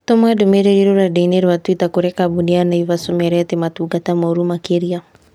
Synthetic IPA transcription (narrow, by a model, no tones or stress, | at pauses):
t̪ɔmadumɛɾɛɾiɾuɾadɛinɛɾwat̪uit̪akuɾɛkabunianaiβasɔmɛɾɛt̪ɛmatuɡat̪amɔɾumakiɾia